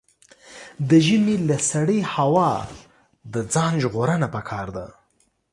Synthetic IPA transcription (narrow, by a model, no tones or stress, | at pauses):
d̪əʒəmelasaɽihawɑ | d̪əd͡zɑnʒɣoɾənapəkʰɑɾd̪a